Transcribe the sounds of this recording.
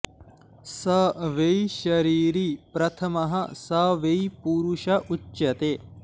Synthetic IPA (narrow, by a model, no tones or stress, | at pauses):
sɐʋejʃɐɾiːɾipɾɐt̪ʰɐmɐɦɐsɐʋejpuɾuʃɐʔut͡ʃːjɐt̪eː